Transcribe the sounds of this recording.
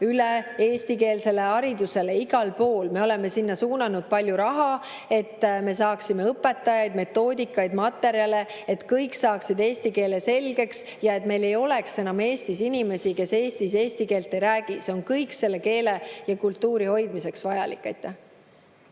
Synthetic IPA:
yleeːst̪ike̞ːlse̞le̞ɑɾid̪use̞leiɡ̥ɑlpo̞ːlme̞o̞lɛ̞me̞sinːɑsuːnɑnud̪̥̚pɑlʲjuɾɑɦɑ | e̞t̪ːme̞s̬ɑːksime̞ɤpːˑe̞t̪ːˑɑjɑjd̪̥me̞t̪ːo̞ːd̪ʲikːˑɑjd̪̥mɑt̪ːe̞ɾiɑle̞ | et̪kɤjksɑːksid̪e̞ːsʲt̪ike̞ːlese̞lɡ̥e̞ks | jɑe̞t̪ːˑme̞jle̞jo̞le̞kse̞nɑme̞ːst̪isinʲime̞sike̞se̞ːst̪ise̞ːst̪ike̞ːlt̪ːˑejɾæːɡ̥iseo̞nkɤjkse̞lːe̞ke̞ːlejɑkult̪ːuːɾiho̞jd̪̥mise̞ksvɑjɑlḭkːˑejt̪ːˑæ

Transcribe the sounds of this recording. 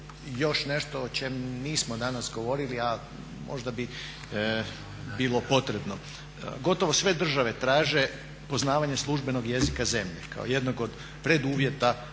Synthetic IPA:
jo̞ʃne̞ʃt̪oːt͡ʃe̞mniːsmod̪anasɡo̞ʋo̞ɾilia | mo̞̰ʒd̪abi | biːlˠo̞po̞t̪ɾe̞bno | ɡo̞t̪o̞ʋo̞sʋe̞d̪r̩ʒaʋe̞t̪ɾaːʒe̞ | po̞znaːʋaɲeslˠuʒbe̞no̞ɡje̞zikaze̞mʎeka̰o̞̰je̞d̪noɡo̞d̪ | pɾed̪uːʋje̞t̪a

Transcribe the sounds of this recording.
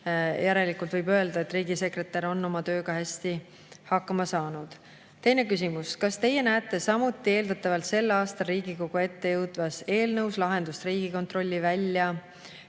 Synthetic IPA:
jʔæɾe̞likˑult̪vɤjbøe̞ld̪ɑe̞t̪ːˑriːɡ̥ise̞kre̞t̪ːˑɑɾo̞nːo̞mɑt̪ø̞ːɡ̥ɑhæsʲt̪i | hɑkːɑmɑsɑːnud̪̥ | t̪ːe̞jne̞kys̬imuskɑst̪e̞jːe̞næːt̪ːˑe̞sɑmut̪ˑːie̞ːld̪ɑt̪ːˑɑvɑlt̪se̞lːɑːst̪ɑɾiːɡiko̞ɡ̥ue̞t̪ːe̞jɤwd̪̥vɑse̞ːlnɤwslɑɦe̞nd̪ust̪riːɡ̥iko̞nt̪ro̞lʲːivælʲːjɑ

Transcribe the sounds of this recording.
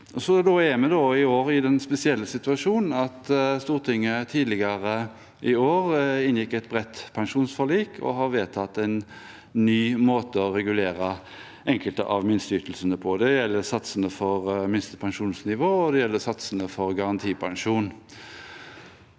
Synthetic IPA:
ʔɔsɔd̪oæmɛd̪oɪoːɾɪd̪ɛnspɛsɪɛlːəsɪt̪ʉɑʂuːnn̩ɑt̪st̪uːʁt̪ʰɪŋːət̪ʰiːd̪lɪɡəʁə | ʔɪoːʁɪnjɪkːɛt̪̚bʁɛt̪ːpʰɑŋʂuːnsfɔliːkʰɔ̰ɦɑɾʋeːt̪ʰɑt̪ːɛɪn | nyːmoːt̪əɔɾɛɡʉleːɾə | ʔɛŋkəlt̪ə̰ʔɑʋmɪnst̪yːt̪lsənəpʰɔd̪ɛjɛlːəɾsɑt̪sənəfɔʁmɪnst̪əpʰɑŋʂuːnsnɪʋoːɔd̪ɛjɛlːəsɑt̪sənəfɔɾɡɑʁɑnt̪ʰiːpʰɑŋʂuːn

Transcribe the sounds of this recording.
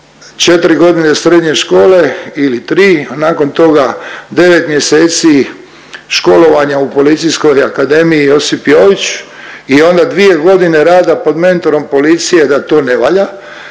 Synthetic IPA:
t͡ʃe̞t̪ɾiɡo̞d̪ine̞sɾed̪ɲe̞ʃko̞ːle̞ilit̪ɾiːnaːko̞nt̪o̞ɡad̪e̞ʋe̞t̪mje̞se̞ːt̪si | ʃko̞lo̞ʋaɲaupo̞lit̪sijsko̞jakad̪e̞miijo̞sipjo̞ːʋit͡ɕio̞nd̪ad̪ʋie̞ɡo̞d̪ine̞ɾaːd̪apo̞d̪me̞nt̪o̞ɾo̞mpo̞lit̪sije̞d̪at̪o̞ːne̞ʋaʎa

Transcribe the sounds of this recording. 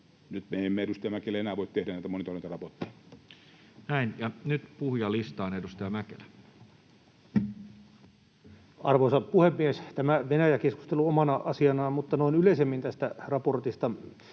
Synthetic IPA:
nyt̪meemːeedust̪ɑjɑmækelːæenæːʋoˑit̪t̪ehdænæit̪æmonit̪olˑenit̪ɑrɑpot̪ːijɑ̥ | næinjɑnyt̪puhjɑlist̪ɑːnedust̪ɑjɑmækelæ | ɑrʋoːsɑpuhemːiest̪æmæʋenæjækeskust̪eluomɑnɑʔɑsiɑnɑmut̪ːɑnoinyleisemːint̪æst̪ærɑport̪ist̪ɑ

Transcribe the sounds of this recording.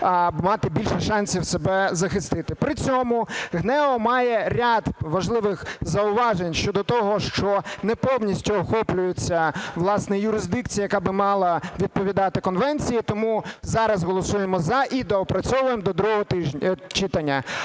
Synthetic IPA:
mɑt̪ɪbʲilʲʃɛʃɑnʲsʲiwsebɛzɐxɪst̪ɪt̪ɪpɾɪt͡sʲɔmʊɣnɛɔmɑjɛɾʲad̪ʋɐʒlˠɪʋɪxzɐʊʋɑʒenʲʃt͡ʃɔd̪ɔt̪ɔɦɔʃt͡ʃɔnɛpɔwnʲisʲtʲʊɔxɔplʲʊjʊt͡sʲːɐʋlˠɑsnɛjʊɾɪzd̪ɪkt͡sʲijɐjɐkabɪmɑlˠɐʋʲid̪̚pɔʋʲid̪ɑt̪ɪkɔnʋɛnʲt͡sʲijit̪ɔmuzɑɾɐzɦɔlˠɔsujemɔzɐʔid̪ɛɔpɾɐt͡sʲɔʋʊjemd̪ɔd̪ɾuɔɔt̪ɪʒʲt͡ʃɪt̪ɐnʲːɐ

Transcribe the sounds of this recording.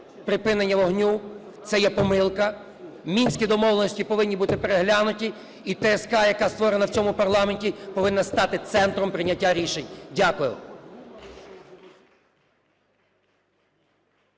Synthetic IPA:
pɾɪpɪnenʲːɐʋɔɦnʲu | t̪sɛjɛpɔmɪlˠkɐ | mʲinʲsʲkʲid̪ɔmɔwlenɔsʲtʲipɔʋɪnʲːibut̪ɪpeɾeɦlʲanʊtʲi | it̪ɛskɑjɐkɑst̪ʋɔɾenɐwt͡sʲɔmʊpɐrlˠɑmenʲtʲipɔʋɪnːɐst̪ɑt̪ɪt̪sɛnt̪ɾɔmpɾɪnʲːɐtʲːaɾʲiʃenʲdʲakʊjʊ̰

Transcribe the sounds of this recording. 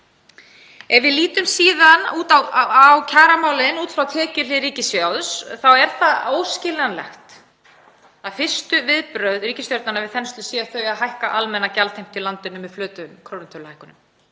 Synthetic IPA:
ɛvvɪðliːt̪ʏmsiːðanuːt̪awawcʰaːɾamaːwlɪnuːt̪fɾawt̪ʰɛːcʏlɪɾiːcɪsjawðsθawɛɾ̥θaðoːwscɪlanlɛ̰xt̪ | θaðfɪr̥st̪ʏvɪðpɾœɥðrɾiːcɪst̪jœwɾt̪nanavɪðθɛnst̪lʏsjɛθœɥaðɦajhkaʔalmɛnːacalt̪ʰejm̥t̪ʰɪlant̪ɪnʏmːɛðflœːt̪ʏmkʰɾownɪnt̪ʰœɾlhajhkʏnʏm

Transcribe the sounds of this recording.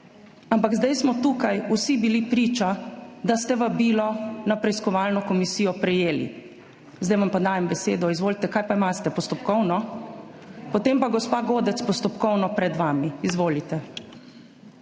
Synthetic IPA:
ampaɡzd̪ɛjsmɔt̪uːkajusibilipɾiːt͡ʃad̪ast̪ɛʋabiːlɔnapɾɛiskɔʋaːlnɔkɔmisiːjɔpɾɛjeːlḭ | zd̪ɛjʋampad̪aːjɛmbɛsḛːd̪ɔizʋoːlit̪ɛkaːjpaimast̪ɛpɔst̪ɔpkɔwnɔ | pɔt̪empaɡɔspaːɡoːd̪ɛt̪spɔst̪ɔpkɔwnɔpɾɛd̪ʋaːmiːzʋoːlit̪ɛ

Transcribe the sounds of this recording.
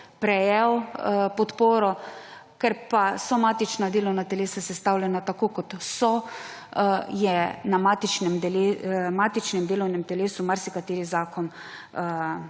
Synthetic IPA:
pɾɛjɛwpɔt̪poːɾɔ | kɛɾpasɔmaːt̪it͡ʃnad̪eːlɔwnat̪ɛleːsasɛst̪awlʲjɛnat̪akoːkɔt̪sɔ | jɛnamaːt̪it͡ʃnɛmɛlemaːt̪it͡ʃnɛmd̪eːlɔwnɛmt̪ɛleːsumaɾsikat̪eːɾizaːkɔn

